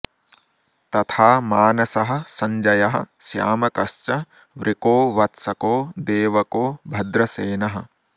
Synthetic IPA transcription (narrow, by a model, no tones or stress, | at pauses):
t̪ɐt̪ʰaːmaːnɐsɐɦɐ̆sɐɲd͡ʒɐjɐɦɐ̰̆sja̰ːmɐkɐʃt͡ʃɐ | ʋɾʔikoːʋɐt̪sɐkoːd̪eːʋɐkoːbʱɐd̪ɾɐseːnɐɦɐ̆